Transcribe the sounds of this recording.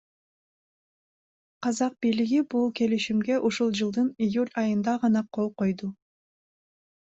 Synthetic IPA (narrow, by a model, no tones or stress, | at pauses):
qɑzɑq̚bijliɡibulˠke̞liʃimɡe̞ʔuʃulˠd͡ʒɯlˠd̪ɯnijulʲɑjɯnd̪ɑʁɑnɑqʰo̞lˠqo̞jd̪u